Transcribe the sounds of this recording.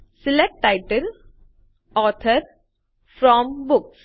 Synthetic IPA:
sɪlɛk̚ʈːaɪʈəl | ɔːt̪ʰəɾ | fɾɔmbʊks

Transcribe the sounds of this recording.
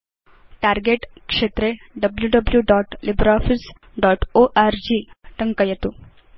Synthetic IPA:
ʈaɾɡeʈkʂet̪ɾeɖəbljuɖəbljuɖɔʈlibɾɔfis | ɖɔʈoʔaɾd͡ʑiʈəŋkəjet̪u

